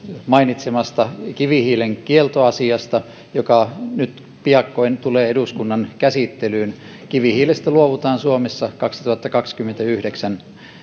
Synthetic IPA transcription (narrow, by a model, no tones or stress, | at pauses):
mɑinit̪semɑst̪ɑkiʋihiːleŋkielt̪oɑsiɑst̪ɑ | jokɑnyt̪ | piɑkːoint̪uleːeduskunːɑnkæsit̪ːelyːn | kiʋihiːlest̪æluoʋut̪ɑːnsuomesːɑkɑksi̥t̪uɑt̪ːɑkɑkskymːent̪æyhdeksæn